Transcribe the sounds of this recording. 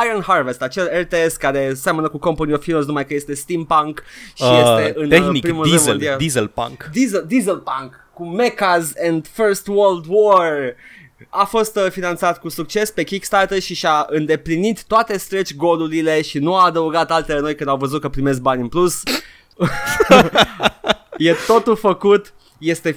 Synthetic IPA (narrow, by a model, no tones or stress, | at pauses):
ajənharve̞st̪at͡ʃe̞lelt̪eeskaɾe̞samənəkukomponiofiloz̬numajkəje̞st̪e̞st̪impaŋkʃijese̞ʔɨnenipɾimulemd̪iald̪izəlpa̰ŋkd̪izəld̪izəlpaŋkːume̞kazend̪fəɾst̪wəld̪wor | afo̞st̪finant̪sat̪kusuk̚t͡ʃe̞spe̞kʲikst̪art̪elʃiʃaɨnd̪e̞plinit̪ːoat̪e̞st̪ɾet͡ʃʲɡo̞luɾile̞ʃinuaːd̪əuɡat̪alt̪e̞leno̞jkɨnd̪awvəzut̪̚kəpɾime̞s̬k̚banʲɨnplus | je̞t̪o̞t̪ulfəkut̪ | je̞st̪e̞